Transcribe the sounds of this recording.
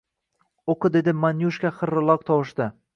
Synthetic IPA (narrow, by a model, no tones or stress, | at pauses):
oqɨd̪e̞d̪ɪmanjuʃkʲaχɨɾːɪlˠɒq̚t̪ʰɒwɪʃt̪ɪ